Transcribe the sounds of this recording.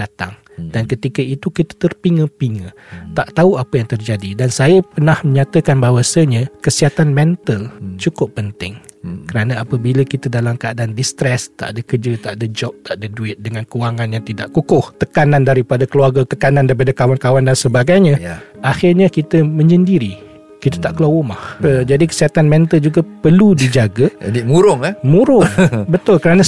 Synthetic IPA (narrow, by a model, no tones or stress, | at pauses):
dat̪aŋ | d̥ankət̪ikəit̪ukit̪ə̥t̪ərpiŋəpiŋə | t̪aʔt̪auapəjaŋt̪ərd͡ʒadidansajəpənahmə̃ɲat̪əkanbawasəɲəkəsiɦat̪anmɛ̃nt̪əlt͡ʃukʊpːənt̪ɪŋ | kəɾanaapəbiləkit̪ədalamkəadandist̪ɾɛst̪a̰ʔadəkərd͡ʒət̪aʔadəd͡ʒɔp̚t̪aʔdəduɪt̪̚dəŋãnkuwaŋãnjaŋt̪idaʔkukʊht̪əkanandaɾipadakəluarɡət̪əkanãndaɾipadakawankawandansəbaɡajɲə̃ʔaxɪrɲakit̪əmə̃ɲd͡ʒəndiɾi | kit̪ət̪aʔkəlawumahəd͡ʒadikə̥siɦat̪anmɛnt̪əld͡ʒuɡapərludid͡ʒaɡəd͡ʒadimuɾʊŋmũɾʊŋbət̪ʊlkəɾanə